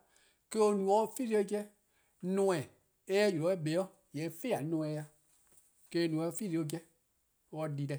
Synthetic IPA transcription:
ke˦o˧˦nũ˨ɔ˦fi˦ɾe˦o˦˧˦kɛ˦ | nɔ̃˧˦ɛ̃˨ | ɛː˦ɛ˦ju˨lɔ˨˦ɛ˦be˨˦ɔ˦ | jɛ˨˦fe˦˨a˨˦nɔ̃ː˧˦ɛ˧ja˧ | ke˧˦˧nũ˨ɔ˧˦˧fi˦˨e˧o˧k̬ɛ˧˦ | ɔ˧di˨dɛ˧˨

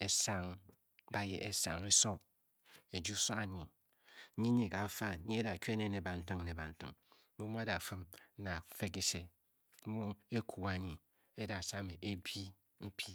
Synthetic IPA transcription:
e˦sa˦ŋ | ba˦jḛ˨ʔe˦sa̰˨ŋɾi˦so˦ | e˨d͡ʒu˦so˦a˨ɲi˨˦ | ɲi˦ɲi˨ka˨˦fa˦i˦e˦da˨ke˦ne˦ne˨ba˨n̩˦tɨ˦ŋ˨ne˨ba˨n̩˦tɨ̰˦ŋ˦ | mu˦mu˦a˦da˨fɨ˦m̩˦na˨fe˦ki˨se˨˦ | mu˦e˦kʰu˨a˨ɲi˨ | e˦da˨sa˦me˨ʔe˦bi˦ | m̩˦pʰi˦

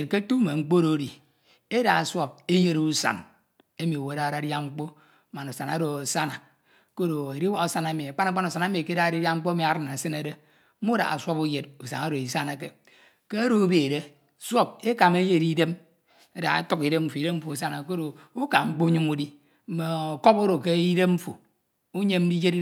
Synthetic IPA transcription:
e˨tke˦tu˦me˨ŋ͡m̩˦k͡po˦ɾo˨˦di˨ | e˦da˨swo˦b̚e˦je˦ɾsa̰˨n | e˦mi˨o˨we˨˦a˦˨ɾa˨˦dja˦ŋ͡m̩˦k͡po˦ | ma˨no˨sa˨na˨˦ɾo˨o˨sa˦na˨ | ko˦ɾo˨e˨ɾi˦wa˦o˦˨sa˦na˨˦mi˨a˨k͡pa˦na˨˦k͡pa˦no˨sa˨na˦mi˨ke˦da˦˨ɾi˦da˦ŋ͡m̩˦k͡po˦e˦mi˨a˨ɾɨ˦na˨sɨ˦ne˨de˦ | mo˦da̰˨a̰˨sʷo˦pu˦je˨t̚u˨sa̰˨ŋa˦ɾo˨i˨sa˦na˨k̬e˨ | ke˦a˦ɾo˦u˦be˨de˦ | swo˦p̚e˦ka˨me˦je˦˨di˦de˦m | e˦da̰˨ḛ˦tu˦ki˨de˦mm̩˨fu˨i˨de˦m̩˦fu˨s̬a˦na˨ko˦ɾo˨u˦ka˨ŋ͡m̩˦k͡po˦u˦ɲi˦mu˦di˦ | m̩˦me˨o˨ko˦po˦ɾo˨ke˦i˦de˦m̩˦fu˨ | u˦ɲe˦m̩˦di˦d͡ʒe˦ɾi˦

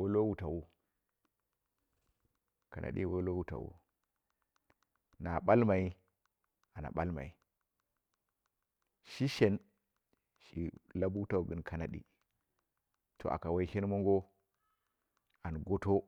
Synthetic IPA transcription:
wo˦lo˦wu˨ta˨wu˦ | ka̰˨nʔa̰˨ɗḭ˦wo˦lo˦wu˨ta̰˨wṵ˦ | na˨ɓa˦lma˨i˦ | a˨na̰˨ɓa˦lma̰˨i˨ | ʃi˦ʃe˨n | ʃḭ˨la˦bwu˦ta˨wu˨ɡɨ˨nkʰa˨na˨ɗḭ˦ | tʰo̰˨ʔa̰˨ka˨wa˨˦i˦ʃe˦nmo˦ŋɡo˦ | a˨nɡo˦to˦

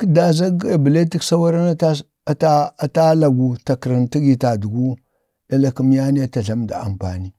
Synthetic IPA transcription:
ki˦da˨za˦ɡe˨bə˨le˦ti˦ksa˦wa˦ɾa˦na˦ta˦ | ta˦a˨ta˦la˨ɡu˨ta˨kɾi˨nti˦ɡi˨ta˨du˨ɡu˦ | da˦la˦ki˦m˦ja˦ni˦ja˦ta˨ɮa˦mda̰˨a̰˨m˨pa̰˨ni˦

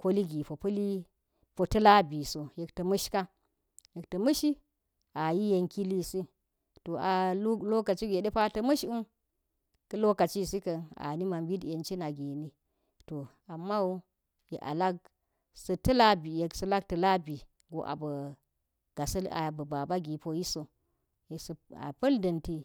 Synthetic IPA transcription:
ko˦li˦ɡi˨po˨pɐ˦li˦ | po˨tɐ˦la˦bi˨so˨je˨ktɐ˨mɐ˦ʃka˦ | je˨ktɐ˨mɐ˦ʃi˦ | a˨ji˦je˨ŋki˦li˦si˦ | to˨a˨˦lo˦ka˨t͡ʃi˦ɡe˨ɗe˦pa˦tɐ˦mɐ˦ʃu˦n | kɐ˦lo˦ka˨t͡ʃi˦˨si˦kɐ˨na̰˨ni˦ma˨mbi˦dje˨nt͡ʃi˦na˨ɡe˨ni˦ | to˨ | a˨mːa˦wu˦ | jḛ˨ʔa̰˨la˦k̚ | sɐ˨tɐ˦la˦bi˨je˨ksɐ˦la˦k̚tɐ˨la˦bi˨ | ɡo̰˨˦ʔa̰˨bə˨ | ɡ̥a˨sɐ˦la̰˨bə˨ba˨ba˦ɡi˨po˨ji˦so˨ | je˨sə˨a̰˨pɐ˦ldɐ˨nti˦

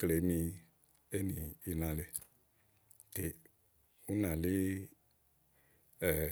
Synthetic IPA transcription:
kə˦˨le˨˦mĩː˨˧ | e˦nĩː˨i˨nã˨le˧ | te˨ | ũ˦nã˨leː˦ | ɛ˨

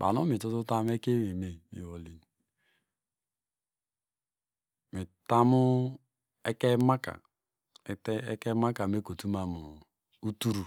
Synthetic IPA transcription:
ba̰˨no˦mi˨tu˦tu˦ta˦m˦e˦ke˦wi˨me˨mḭ˨wo˨li˨ni˨ | mi˨ta˦mu˦ | e˦ke˦ma˦ka̰˨˦ | te˦ke˦ma˦ka˨me˦ko˨tu˦ma˦mu˨ | u˦tu˦ɾu˨

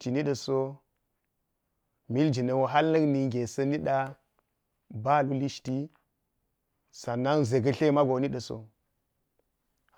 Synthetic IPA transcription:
ti˨ni˦ɗə˨so˦ | mi˦ld͡ʒi˨nə˨wo˨ɦa˦lnə˦kni˨ŋɡʲe˨sɐ˦ni˦ɗa˦ | ba˦˨lu˦li˦ʃti˦ | sa˨nːa˦ŋze˨ɡɐ˦ɬe˦ma˦ɡo˨˦ni˦ɗə˨so̰˨

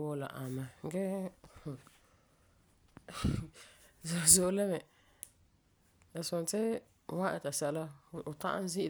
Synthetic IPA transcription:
wo˦la̰˨ʔa˨mːa˨˦ɡɛ˦˨ | zzo˨ʔlɛ˦mɛ˨ | a˨sʊ˨n˨tɪ˦ | wã˦ʔɛ̰˨ta˨sɛ˦˨˦la˦˨ʊ˨ta̰˦ʔa̰˦n˦zi˦ʔ

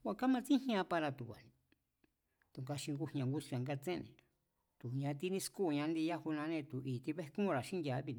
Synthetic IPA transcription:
kʷa˧˨ka˦mã˧t͡sĩ˦ĩ˦ã˧pa˧ɾa˧t̪u˨kʷa̰˨nĩ˨˧ | t̪u˨ŋɡa˧ʃĩ˧ŋɡu˧hɲ˧ã˨˧ŋɡu˦su˧ã˨˧ŋɡa˧t͡sẽ˦˧nẽ˨ | t̪u˨ɲã˧t̪i˧nĩ˧sku˦˨˧ɲã˧nd̪i˧ja˦hu˧nã˧nẽ˧t̪u˨ʔiː˨t̪i˧βe˦hkũ˦˧ɾa˨ʃĩ˦n˧ja˨˧βi˧n˧

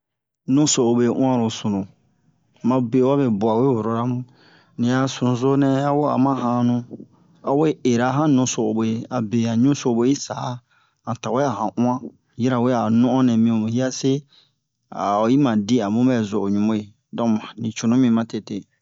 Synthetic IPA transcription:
nũ˦so˨o˨be˨ʔũ˦ã˦ɾo˨sũ˨nũ˨ | mã˨be˨˦wa˦be˨bu˨a˨we˦wo˨ɾo˨ɾa˦mũ˦ | nĩ˨a˨sũ˨nũ˨zo˦nɛ̃˦a˦wo˦a̰˨mã˦hã˦˨˦nũ˦ | a˨we˦e˨ɾa˨ɦã˦nũ˨so˨o˨bo˨je˨a˨be˨ã˨ɲũ˦so˨bo˦i˦sa˨˦ | hã˨ta˨we˦a˨ɦã˨ʔũ˦ã˦ | ji˦ɾa˨we˦a˨nũ˦ɔ̃˦nɛ̃˨mĩ˦õ˨hi˦a˦se˦ | a̰˨ji˦mã˨di˦a˨mũ˦bɛ˦˨zo˨ʔo˨ɲũ˨mo˦je˨ | dɔ̃˦mã˨nĩ˨t͡ʃu˨nũ˦mĩ˦mã˦te˨te˨

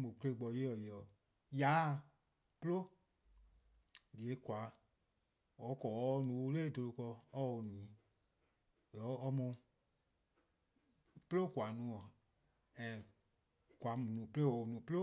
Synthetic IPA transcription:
mõ˨kle˧˨ɡ͡bɔ˧˨je˦ɔ˨je˨ɔ˨ | ja˨˦˨ | plo˦ | di˨e˨˦kwa˨˦ | ɔ˨˦kɔ˨˦nũ˨o˧˦leː˦˨do˧lo˧kɔ˧ɔ˦o˨nũ˨ĩ˨ | jɔ˨˦ɔ˧mũ˧ | plo˦˨kʷa˨nũ˨˦ɔ˨ | ɛ̃˨ | kwa˨mu˨nũ˨ple˦wɔ˨nũ˨plo˦

